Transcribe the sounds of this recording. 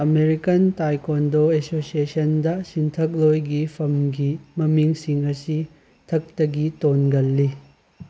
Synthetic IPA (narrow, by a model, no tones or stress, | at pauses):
ɐmeɾikɐntajkondoesosiesɐndɐsintʰɐk̚lojɡipʰɐmɡimɐmiŋsiŋɐsi | tʰɐk̚tɐɡitonɡɐlːi